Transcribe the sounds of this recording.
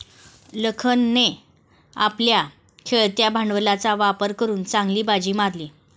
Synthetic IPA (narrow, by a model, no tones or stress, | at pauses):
ləkʰənːe | a̰plja | kʰeɭt̪jabʱaɳʋəlat͡saʋapəɾkəɾuːnt͡sãŋɡliːbad͡ʑiːmaɾliː